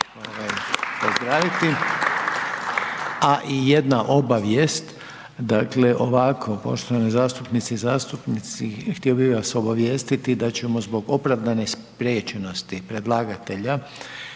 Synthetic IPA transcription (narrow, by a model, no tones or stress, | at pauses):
oʋajpozd̪ɾaːʋit̪i | aʔije̞d̪naʔo̞baʋjest̪ | d̪akleʔo̞ʋakʰopo̞̰ʃt̪oʋanizaːst̪upnit̪sizaːst̪upnit̪sixt̪iobiʋaso̞baʋjeːst̪it̪id̪at͡ɕemo̞zbo̞ɡo̞pɾaʋd̪anespɾʲet͡ʃeno̞st̪ipɾed̪lˠaːɡat̪e̞ʎa